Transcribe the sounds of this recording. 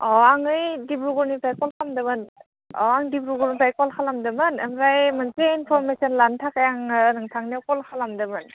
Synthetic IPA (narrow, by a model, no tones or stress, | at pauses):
ɔaŋɯjdibɾuɡɔɾnipʰajkɔlkʰamdɯmɯn | ɔaŋdibɾuɡɔɾnipʰajkɔlkʰalamdɯmɯnemɾajmanseinpʰɔɾmesɔnlantʰakajaŋnɯŋtʰaŋnekɔlkʰalamdɯmɯn